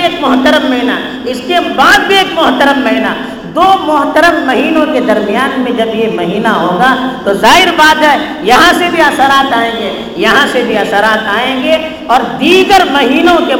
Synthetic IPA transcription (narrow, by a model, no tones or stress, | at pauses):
eːkmʊɦt̪əɾəmːɐɦina | ɪskebaːd̪̚bʱieːkmʊɦt̪əɾəmːɐɦina | d̪oːmʊɦt̪əɾəmːɐɦiːnõked̪ɐɾmijaːnmẽd͡ʒɐbjemɐɦiːnaɦoːɡat̪ozaːɦɪɾbaːd̪ɦɛ | jɐɦãsebʱiɐsəɾaːt̪aːẽːɡe | jɐɦãsebʱiɐsəɾaːt̪aːẽːɡe | ɔːɾd̪iːɡəɾmɐɦiːnõke